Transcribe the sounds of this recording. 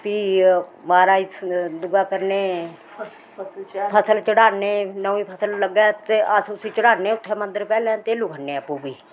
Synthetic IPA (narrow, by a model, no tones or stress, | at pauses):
piːmaːɾaːid̪ʊɡaːkəɾneː | pʰəsəlt͡ʃəɽaːneːnəĩːpʰəsəlːəɡɛ̃ːt̪eəsʊsĩːt͡ʃəɽaːneːʊt̪ʰːɛːmə̃nd̪əɾpɛːlɛ̃ːt̪eːluːkʰənːẽːəpːuːbiː